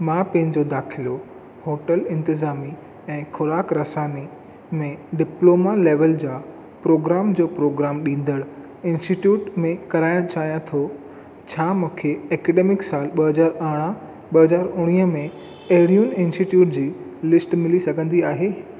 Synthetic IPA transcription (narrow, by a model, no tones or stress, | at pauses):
mãpɐ̃ɦɪ̃ɲ̆d͡ʑoːd̪aːkʰɪlo | hoːʈəlɪ̃nt̪ɪzaːmi | ɛ̃ːxʊɾaːkɾɐsaːni | mẽɖɪploːmaleːʋəld͡ʑaː | pɾoːɡɾaːmd͡ʑoːpɾoːɡɾaːmɗĩːn̆d̪əɽ | ɪ̃nsʈiʈjuːʈmẽkɐɾaːɪɽ̃t͡ɕaːɦijãt̪ʰo | t͡ɕʰaːmũːkʰeɛːkɛːɖeːmɪksaːlɓɐɦɐzaːɾɐɽ̃a | ɓɐɦɐzaːɾʊɽ̃iːə̆mẽ | ɐɦɪɽijʊnɪ̃nsʈiʈjuːʈ̚d͡ʑiː | lɪsʈmɪlisɐɡʱə̃nd̪iaːɦeː